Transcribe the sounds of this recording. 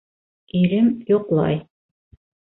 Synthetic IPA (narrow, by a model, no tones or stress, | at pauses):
iɾɘmjoqlˠɑ̰j